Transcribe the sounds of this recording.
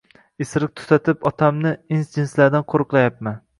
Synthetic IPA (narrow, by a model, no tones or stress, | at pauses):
esɾɪk̚t̪ʰʊ̥t̪ʰat̪ʰɪpɒt̪ʰamnɪinsd͡ʒɪnslaɾd̪anqʰoɾɨqlˠajapman